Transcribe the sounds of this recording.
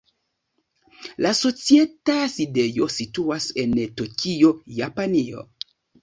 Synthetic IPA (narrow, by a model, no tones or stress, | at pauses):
laso̞t͡sietaside̞jo̞situase̞ntokʰio̞japanio̞̰